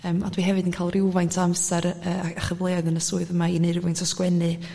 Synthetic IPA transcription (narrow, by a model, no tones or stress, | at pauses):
əːmadwiɦɛvɨdinkʰaːlˠrɪwvajntʰɔamsɛɾəːaəχəvlˠeadənəsuːɨðəmainejrɪwvajntʰɔskwɛnɨ